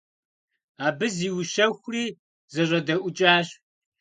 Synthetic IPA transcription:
aːbɨziːwʃɐxʷriː | zɨʑɐdɐʔʷʊt͡ʃʼaːɕ

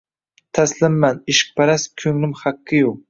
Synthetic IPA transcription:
t̪ʰaslɪmːanɪʃɪ̥k̚pʰaɾaskʲʰɵŋlɪmχaqːɨju

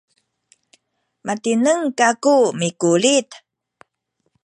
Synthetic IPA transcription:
matinəŋkakumikulit̪

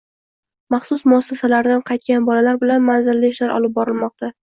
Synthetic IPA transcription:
mɑχsʊsmʊasːasalaɾd̪anqʰɑjt̪̚kʲanbɒlalaɾbɪlanmanzɪlːɪɪʃlaɾʔɒ̰lɪp̚bɒɾɪlmɒq̚t̪a

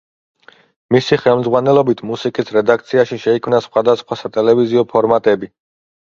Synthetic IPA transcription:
misiχɛlˠmd̪zʁwanɛlɔbit̪ʰmusikʼisɾɛd̪ak̚ʰt̪sʰiaʃiʃɛikʰmnasχwad̪asχwasat̪ʼɛlɛviziɔpʰɔɾmat̪ʼɛbi

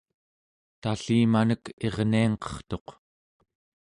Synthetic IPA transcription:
t̪aɬiːmanəke̞ʁniɑŋqʌ̥χt̪o̞q

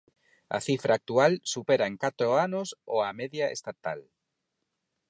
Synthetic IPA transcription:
ɐ̰θifɾʔaːk̚t̪ualsupeɾaeŋkat̪ɾoanosoameðjaḛst̪at̪a̰l

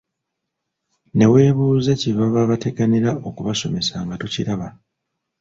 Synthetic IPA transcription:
ne̞we̞ːβuːze̞ciβaβaβate̞ɡaniɾaʔo̞kuβaso̞me̞saŋɡatuciɾaβa

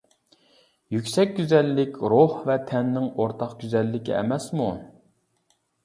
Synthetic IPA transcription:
jykʲsɛk̚ʲɡʲyzɛlːɪkʲɾohvɛt̪ʰɛnːɪŋoɾt̪ʰɑqɡ̥ʲyzɛlːɪkʲḭɛ̰mɛsmu

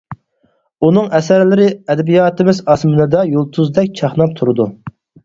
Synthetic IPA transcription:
unɨŋɛsæɾlɪɾɪɛd̪ɛbijɑːt̪ʰɪmɪzɑsmɪnɨd̪ɑjolˠt̪ʰuzd̪ɛkʲt͡ʃʰɑχnɑp̚t̪ʰuɾɨd̪u

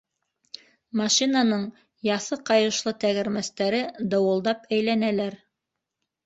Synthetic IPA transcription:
mɑʃinanɤɴ | jɑθɤqɑjɤ̆ʃlˠɤt̪æɣɘ̆ɾmæst̪æɾɘd̪ɑwɤ̆lˠd̪ɑpæjlænælæɾ

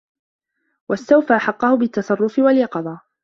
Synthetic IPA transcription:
wast̪awfaʔaħɑqːɑhʊbɪt̪ːɑsˤɑrˤːʊfɪwaljɑqɑd̪ˤɑː

